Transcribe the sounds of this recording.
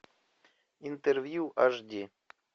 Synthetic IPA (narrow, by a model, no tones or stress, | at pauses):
int̪ervjuʔaʐd̪ʲi